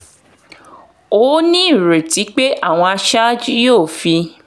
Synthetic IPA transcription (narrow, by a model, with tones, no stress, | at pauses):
o˨˦nĩ˦˨ɾe˨ti˨˦k͡pe˦ʔa˦˨w̃ɔ̃˧a˧ʃa˦d͡ʒi˦joː˦˨fi˧